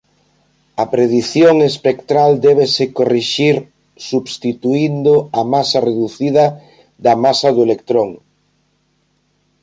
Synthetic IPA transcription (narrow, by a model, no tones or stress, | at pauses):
ɐpɾeðiθjoŋespekt̪ɾald̪ɛβesɪkoriʃiɾ | suβst̪it̪uind̪ʊɐmasɐreðuθiðɐ | ðɐmasɐðʊelek̚t̪ɾoŋ